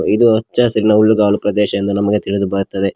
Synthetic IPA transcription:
id̪uɐt͡ʃːaːsɐɾinɐuɭːuɡaːlupɾɐd̪ɛːʃɐjɐnd̪unɐmɐɡet̪iɭid̪ubɐɾt̪ːɐd̪e̞

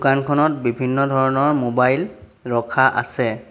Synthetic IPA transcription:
kankʰɔnɔt̚bibʱinːɔdʱɔɹɔnɔɹmobajl | ɹɔkʰaʔa̰sɛ

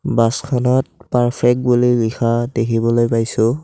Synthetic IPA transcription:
baskʰɔnɔt̚paɹpʰɛk̚bulilixʰadekʰibɔlojpajsʊ̃

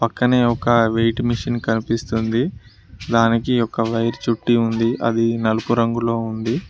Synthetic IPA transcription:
pɐkːɐneːɔkɐʋejʈmiʂinkɐnipist̪und̪i | d̪aːnikiɔkːɐʋɐjɾt͡ʃuʈːiund̪iʔɐ̰d̪inɐlupuɾɐŋɡulo̞ːund̪i

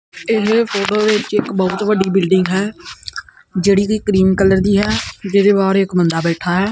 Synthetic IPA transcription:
ɪspʰoːʈoːd̪ɪt͡ʃɪkbɔʊt̪ʋəɖiːbɪlɖɪ̃ŋɡɦɛː | d͡ʒeːɽiːkikɾiːnkələɾd̪iːɦɛːd͡ʒɪːd̪eːbaːɾɪkmənd̪aːbɛːʈʰaːɦɛː

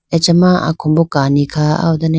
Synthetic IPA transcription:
et͡ʃamaa̰kʰɔmbɔkanikʰaa̰wdane

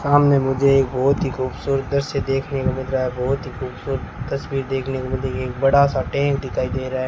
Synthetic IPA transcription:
saːmnemʊd͡ʒʱeeːk̚bɔːt̪ɦixuːbsuːɾət̪̚d̪əɾsed̪eːkʰnekomɪd̪ɾaɦɛbʱɔːt̪ɦixuːbsuːɾət̪ːɐsbiːɾd̪eːkʰnekomɪd̪ekeːk̚bɐɽasaʈẽːkd̪ɪkʰaːid̪eːɾaɛː

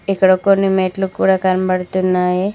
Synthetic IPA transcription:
ekɽokonimeːʈlũkuɽakaɾmbəɽt̪ũnaje

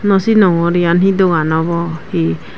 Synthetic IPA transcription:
nɔsinɔŋɔɾijanhid̪ɔɡanɔbɔhi

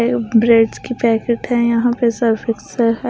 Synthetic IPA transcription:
bɾeːɖzkipɛːkeʈɦɛ̃jɐɦãpesəɾfɪks

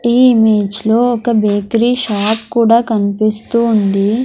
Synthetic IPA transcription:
iːimeːd͡ʒlo̞ːɔkɐbeːkɾiːʃaːpkuːɽaːkɐnipist̪uːnd̪i

